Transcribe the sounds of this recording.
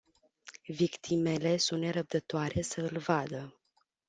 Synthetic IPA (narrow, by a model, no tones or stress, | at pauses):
vikt̪ʰime̞le̞sunt̪ne̞ɾəb̚d̪ət̪oaɾe̞səɨlvad̪ə